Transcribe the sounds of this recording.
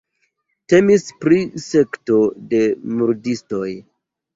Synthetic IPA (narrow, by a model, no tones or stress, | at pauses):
te̞mispɾise̞kto̞de̞muɾdisto̞j